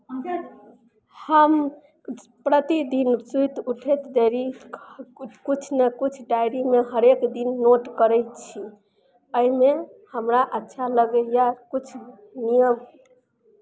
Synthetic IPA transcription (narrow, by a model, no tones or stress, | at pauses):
həm | pɾət̪id̪insujt̪uʈʰet̪d̪eɾi | kut͡ʃʰnekut͡ʃʰɖaɾimeɦəɾekd̪inːoʈkəɾɛjt͡ʃʰi | əimehəmɾaʔətːʃʰaləɡəjakut͡ʃʰ | nijəm